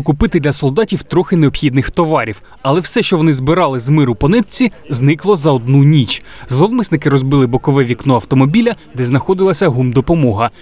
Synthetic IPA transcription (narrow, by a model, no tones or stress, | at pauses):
kʊpɪt̪ɪd̪lʲɐsɔlˠd̪ɑtʲiwt̪ɾɔxɪneɔpxʲid̪nɪxt̪ɔʋɑɾʲiw | ɐlˠɛwsɛʃt͡ʃɔʋɔnɪzbɪɾɑlˠɪzmɪɾʊpɔnɪt̪̚t͡sʲiznɪklˠɔzɐɔd̪nunʲit͡ʃzlˠɔʋmɪsnɪkɪɾɔzbɪlˠɪbɔkɔʋɛʋʲiknɔɐwt̪ɔmɔbʲilʲɐ | d̪ɛznɐxɔd̪ɪlˠɐsʲɐɦumd̪ɔpɔmɔɦɐ